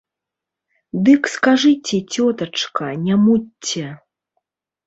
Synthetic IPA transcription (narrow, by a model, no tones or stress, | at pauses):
d̪ɨkskaʐɨt͡sʲɛt͡sʲɔt̪ɐt͡ʂkɐnʲamutʲːɛ